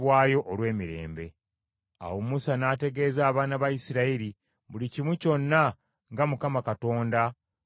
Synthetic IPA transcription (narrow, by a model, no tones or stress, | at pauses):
βwaːjo̞ʔolwe̞ːmiɾe̞̰ːmbe̞̰ | a̰womusanaːte̞ɡe̞ːzaːβaːnaβajisiɾaiɾi | βulicimwico̞nːa | ŋɡamukamakato̞ːnda